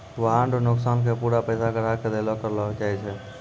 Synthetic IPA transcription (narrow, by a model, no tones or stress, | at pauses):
ʋəɦɦãɳɖonʊksaːnkʰepuɾapəsakəɾaked̪elɔkəɾlɔt͡ʃaːɦɛt͡ʃʰɛ